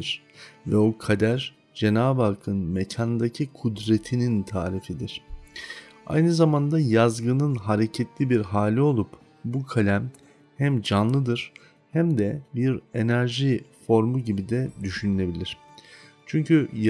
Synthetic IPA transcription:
ɾ̥ | vɛokʰad̪æɾ̥ | d͡ʒe̞naːbalˠkʰɯnmecʰand̪acʰikʰud̪ɾe̞t̪ʰinint̪ʰaːɾifid̪iɾ̥ | a̰jnɯzamand̪ajazɡɯnɯnɦaɾe̞cʰɛt̪lʲibiɾɦaːlʲio̞lˠup | bukʰalʲæm | hæmd͡ʒanlˠɯd̪ɯɾ̥ | hæmd̪ɛbiɾe̞næɾʒifo̞ɾmuɟibid̪ɛd̪yʃynylʲe̞bilʲiɾ̝̥ | t͡ʃʰyɲcʰy

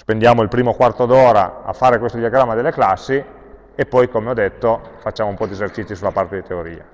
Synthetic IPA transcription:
spend̪jaːmoilpɾiːmokwart̪od̪ɔːɾaa̰fːaːɾekwest̪od̪iaɡɾamːad̪elːeklasːi | epːɔjkomeɔd̪et̪ːofat͡ʃːaːmoumpɔd̪iezert͡ʃit̪sːjosulapart̪ed̪it̪eoɾḭːa̰

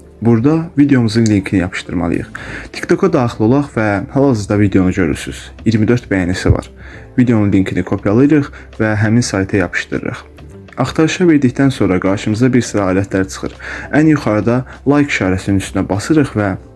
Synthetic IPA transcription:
buɾd̪ɑvid̪e̞jo̞mɯzɯnliŋkʰinijɑpʰɯ̥ʃt̪ɯɾmɑ̰lˠɯ̰jɯ̰χt̪ʰi̥kt̪ʰo̞kʰɑd̪ɑːχilˠo̞lˠɑχvæhælˠɑzɯzd̪ɑvid̪eo̞nud͡ʒø̞ɾy̰ɾsy̰z̥ | jiɾmid̪ø̞ɾt̪bæjɑːnæsivɑ̰ɾ | vid̪ejo̞nunlʲiŋkʰinikʰo̞pʰijɑlˠɯjɾɯχ | væɦæminsɑjt̪ʰɯjɑpʰɯ̥ʃt̪ɯɾɯ̰ɾɯ̰χ | ɑχt̪ʰɑɾɯʃɑveɾd̪içd̪ænso̞nɾɑɡɑɾʃɯmɯzɑbiɾsiɾɑɑːlæt̪ʰlæɾt͡ʃʰɯ̥χɯ̰ɾænjuχɑɾɯd̪ɑlˠɑjkʰʃʰɑːɾæsininyst̪ynæbɑsɯɾɯχvæ

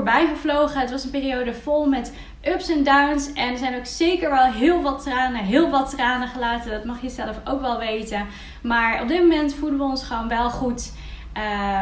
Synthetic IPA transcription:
ɹbɛjχəvlowχəətʋɑsənpɪːrijowdəvɔlˠmɛt | ʔɵpsɛndawnsɛnəɹzɛjnowksejkəɹʋɛlˠɦɪːlˠʋɑtraːnəɦɪːlˠʋɑtraːnəχəlaːtəndɑtmɑχjəzɛləfowkʋɛlˠʋejtə | maːɹɔ̰b̚dɪt̚momɛntfulˠdənʋəɔnsχəʋownʋɛlˠχut | ə

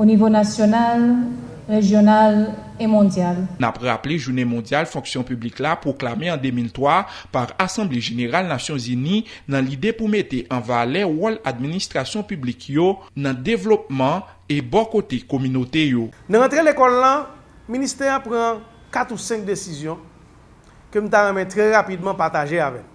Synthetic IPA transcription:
onivonasjonal | ʁeʒjonal | emɔ̃djalnapʁapleʒunemɔ̃djalfɔ̃ksjɔ̃pybliklapʁoklameɐ̃d̪emilt̪wa | paʁasɑ̃bleʒeneʁalnasjɔ̃zyninɐ̃lid̪epumet̪eʔɐ̃valɛwɔlad̪minist̪ʁasjɔ̃pyblikʰjonɐ̃devlop̚mɑ̃ | ebɔkot̪ekomynot̪ejonããt̪ʁelekɔlːã | mĩnist̪ɛjãpʁã | kat̪usɛ̃k̚d̪esizjɔ̃ | køm̩ũt̪aʁɛ̃mɛ̃t̪ʁɛʁapid̪mãpaʁt̪aʒeavɛk

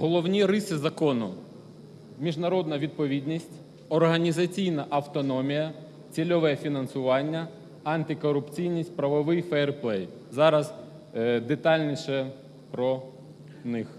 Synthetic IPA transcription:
ɦɔlˠɔwnʲiɾɪsɪzɐkɔnʊ | mʲiʒnɐɾɔd̪nɐʋʲid̪̚pɔʋʲid̪ʲnʲisʲtʲ | ɔrɦɐnʲizɐt͡sʲijnɐʔɐwt̪ɔnɔmʲijɐ | t͡sʲilʲɔʋɛfʲinɐnsʊʋɑnʲːɐ | ɐnt̪ɪkɔɾʊpt͡sʲijnʲisʲtʲpɾɐʋɔʋɪjfɛrplˠɛj | zɑɾɐz | d̪et̪ɑlʲnʲiʃɛ | pɾɔ | nɪx

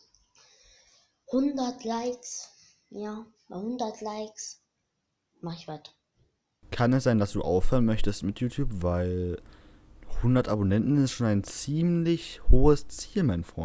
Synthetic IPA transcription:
hʊndɐtʰlaɪks | jaː | hʊndɐtʰlaɪks | maχɪçv̥at | kʰanɛsz̥aɪndasd̥ṵːʔaʊfhøːʁənmœçtəstmɪtʰjuːtʰjuːpvaɪl | hʊndɐtʔabonɛntn̩ɪstʃoːnaɪnt͡siːmlɪçhoːəst͡siːlmaɪnfʁ̥ɔ̰ʏn

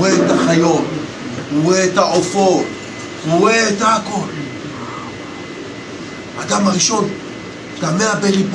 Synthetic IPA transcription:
etaxajon | uwetaʔofo | uwetako | a̰damaɾiʃon | tameabelip

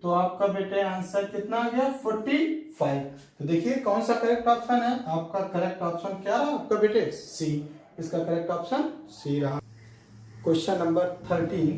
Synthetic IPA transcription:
t̪oaːp̚kabeːʈeãːnsɐɾkɪt̪naɡɐapʰoːɾʈipʰaːɪbt̪od̪eːkʰiekɔːnsakɐɾɛk̚ʈɔːpsənɦɛaːp̚kakɐɾɛk̚ʈɔːpsənkjaɦɛaːp̚kabeːʈesiː | ɪskakɐɾɛk̚ʈɔːpsənsiɾɐɦã | koʃənːɐ̃mbəɾt̪ʰəɾʈiːn

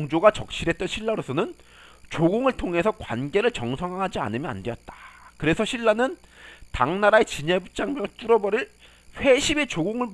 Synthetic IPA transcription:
ŋd͡ʑoɡat͡ɕʌk̚ɕ͈iɾɦe̞t̚t͈ʌnɕʰiɭːaɾosʰʌnɯn | t͡ɕoɡoŋɯɭtʰoŋɦe̞sʰʌkwa̰nɡe̞ɾɯɭt͡ɕʌŋsʰʌŋɦaŋɦad͡ʑia̰nɯmjʌna̰ndejʌt̚t͈ḁkɯɾe̞sʰʌɕʰiɭːanɯntaŋnaɾae̞t͡ɕiɲebut͡ɕ͈aŋmjʌŋt͈uɾʌbʌɾiɭ | ɸwe̞ɕʰibe̞t͡ɕoɡoŋɯɭ

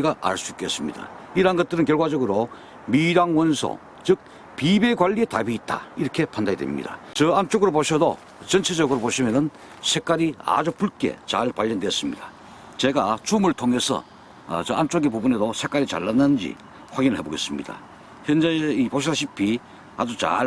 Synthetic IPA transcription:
ɡaʔa̰ɭs͈uik͈es͈ɯmɲḭda̰ | iɾanɡʌt̚t͈ɯɾɯnkjʌɭɡwad͡ʑʌɡɯɾo | miɾaŋwʌnsʰo̰ | t͡ɕɯk̚ | pibeɡwaʎːie̞tabiːt̚t͈a̰iɾʌkʰe̞pʰandaidwḛmɲḭda̰ | t͡ɕʌant͡ɕ͈oɡɯɾoboɕʰʌdo̰ | t͡ɕʌnt͡ɕʰed͡ʑʌɡɯɾopoɕʰimjʌnɯn | sʰe̞k͈aɾia̰d͡ʑupuɭk͈e̞̰t͡ɕaɭpaʎːʌndwes͈ɯmɲḭd̥a | t͡ɕe̞ɡat͡ɕumɯɭtʰoŋɦe̞sʰʌ̰ | t͡ɕʌant͡ɕ͈oɡepubune̞dosʰek͈aɾit͡ɕa̰ɭːanːɯnnd͡ʑḭ | ɸwaɡinɯɭhɦeboɡe̞̰s͈ɯmɲḭda̰ | çjʌnd͡ʑeipoɕʰisʰaɕʰipʰi | ad͡ʑut͡ɕa̰

